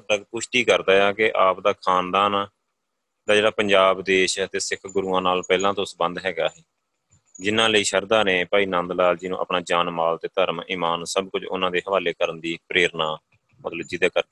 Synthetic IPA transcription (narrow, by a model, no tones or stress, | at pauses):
t̪əɡpʊʃʈ̪iːkəɾd̪aːjaːkɪʔaːpd̪aːkʰaːnd̪aːnaː | d̪aːd͡ʒeːɽaːpəɲd͡ʒaːbd̪eːʃət̪eːsɪkʰɡʊɾuːãːnaːlpɛːlãːt̪õːsəbə̃nd̪ɦɛːɡaːɦɛː | d͡ʒɪnãːləiːʃəɾd̪aːnẽːpaːiːnãːnd̪laːld͡ʒiːnṵ̃ːʔə̰pnaːd͡ʒaːnmaːlt̪eːt̪əɾmiːmaːnsəbkʊt͡ʃʊ̰nãːd̪eːɦəʋaːleːkəɾənd̪iːpɾeːɾnaː | mə̰t̪ləb̚d͡ʒɪd̪eːkəɾ